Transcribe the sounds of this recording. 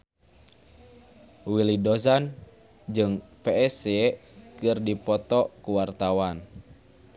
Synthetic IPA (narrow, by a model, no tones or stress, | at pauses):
wilidɔzan | d͡ʒɨŋpɛɛsɛkɨrdipɔt̪ɔkuwart̪awan